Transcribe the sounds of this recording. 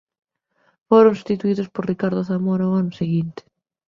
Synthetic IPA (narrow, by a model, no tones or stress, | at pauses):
foɾõŋsu̥st̪it̪uiðospoɾrikaɾðoθamoɾaoanʊseɣint̪ɪ̥